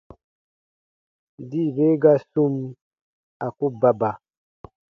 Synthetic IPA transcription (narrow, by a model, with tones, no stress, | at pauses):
di˦˨be˦ɡa˦su˦m | a˨ku˦ba˦ba˨